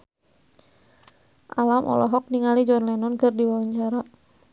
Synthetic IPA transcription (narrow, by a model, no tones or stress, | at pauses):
ʔalamʔɔ̰lɔɦɔk̚niŋalid͡ʒɔnlɛnɔnkərdiwawaɲt͡ʃaɾa